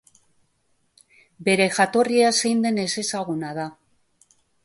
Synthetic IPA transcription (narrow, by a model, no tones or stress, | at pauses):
be̞ɾe̞xat̪oriasejnd̪ene̞sesaɣ̞unaða